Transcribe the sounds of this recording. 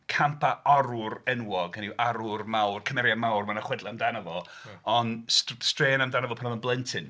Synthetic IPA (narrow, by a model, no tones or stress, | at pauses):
kʰampʰaɔɾʊrɛnwɔɡənɪwʔaɾʊrmawrkʰəmɛɾjamawrmanaχwɛdlˠaamdanəvɔɔnsstreːnamdanavɔpʰanɔvənblˠɛntʰɪn